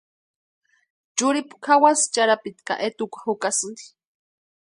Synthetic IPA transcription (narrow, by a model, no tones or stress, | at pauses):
t͡ʃʊɾipu̥kʰawast͡ʃaɾapit̪ka̰ʔet̪ukʷḁhʊkasɨnd̪i̥